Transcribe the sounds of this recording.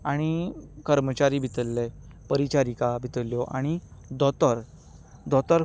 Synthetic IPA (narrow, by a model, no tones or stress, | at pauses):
aɽ̃ikəɾmət͡ɕaɾibʱit̪əlːepəɾit͡ɕaɾikabʱit̪əlːjɔʔaɽ̃id̪ɔt̪əɾ | d̪ʱɔt̪əɾ